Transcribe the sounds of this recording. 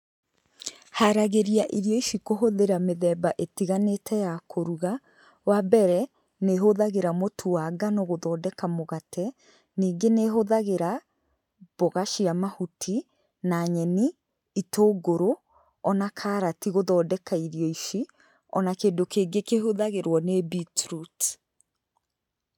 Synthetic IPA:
haɾaɣeɾiaʔiɾjɔiʃikoɦoðeɾameðɛːbaʔetiɣanetʰɛjakʰoɾuɣa | wabɛɾɛ | neɦoðaɣeɾamotʰuwaɡanɔɣoðɔːdɛkamoɣatʰɛ | niːŋɡeneɦoðaɣeɾa | b̥oɣaʃiamahutʰi | naɲɛniː | tʰoːɡoɾo | ɔnakʰaɾatiɣoðɔːdɛkaiɾjɔiʃi | ɔ̰nakeːndokeːɡekehoðaɣeɾwɔnebitɾut

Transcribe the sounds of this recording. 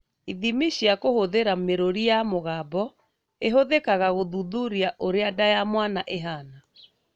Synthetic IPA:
iðimiɕjakohoðeɾameɾoɾijamoɣaːbɔ | eɦoðekaɣaɣoðuðuɾiaʔoɾeadajamwanaʔeɦaːna

